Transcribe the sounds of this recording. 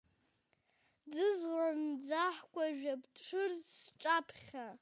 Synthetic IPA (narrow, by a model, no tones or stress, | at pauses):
dɨzʁand͡zaħkʷʼaʒᶣabtʼʈ͡ʂʰʷɨrzsʈ͡ʂʼapʰχʲa